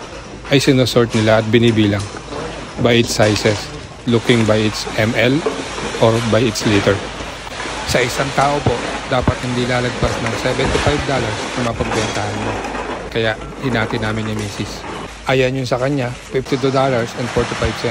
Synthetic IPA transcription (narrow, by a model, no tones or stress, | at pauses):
ʔɐjsɪnosoɹt̪̚nɪlaʔɐt̪̚bɪnɪbiːlɐŋ | bɐjʔɪt̪sajsɛs | lukɪŋbɐjɪt̪sʔɛmɛlʔoɹbajɪt̪slit̪ɛɹ | sɐʔɪsaŋt̪aːʔo̞po̞ʔd̪aːpɐt̪hɪnd̪ilaːlɐɡ̚pasnɐŋsɛvɛnt̪ɪfajvd̪olɐɹsnɐmɐɐpɐɡ̚bɛnt̪ahɐnmokɐjaʔ | hɪnaːt̪ɪnaːmɪnːɪmiːsɪs | ʔajɐnjʊnsɐkɐɲafift̪ɪt̪ud̪alɐɹsɛnd̪foɹt̪ɪfajbsɛ